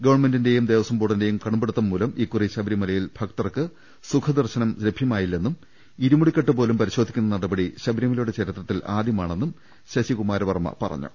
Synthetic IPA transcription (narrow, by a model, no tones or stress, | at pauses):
ɡɐʋɐrɳme̞ndinde̞jumd̪e̞ːʋɐsɐmboːʈːɐnde̞jumkɐɳumbeɽut̪ːɐmːuːlɐmʔikːuriɕɐbɾimɐlɐjilb̥ʰʱɐkt̪ɐrkɨ | sukʰɐd̪ɐrɕɐnɐmlebʱjɐmaːjilːe̞nːum | iɾumuɽikʲːɐʈːɨpo̞ːlumpɐɾiɕod̪ʱikʲːunːɐnɐɽɐbɐɽiɕɐbʱɾjɐmiluːɽet͡ɕɐɾit̪rɐt̪ːilaːd̪ʱjɐmaːɳe̞nːum | ɕɐɕikumaːɾɐʋɐrmɐ̰pɐ̰rɐ̰ɲːṵ